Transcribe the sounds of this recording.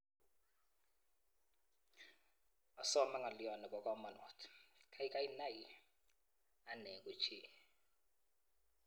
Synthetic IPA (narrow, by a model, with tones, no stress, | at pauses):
a˨sɔ˦ma˦ŋa˨li˦jɔ˨nɛ˨kʼɔ˨kʼa˦u˦ma˨nɔ˨tʰkʰa˦i˦kʼa˦i˦na˦ji˦ | a˦nɛ˨kʼu˦t͡ʃʰiː˨